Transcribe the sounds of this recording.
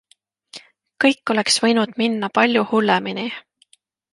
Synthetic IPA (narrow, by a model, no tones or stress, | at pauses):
kɤjkːˑo̞le̞ksv̥ɤ̞jnud̪̥minːɑpɑlʲjuhulːemini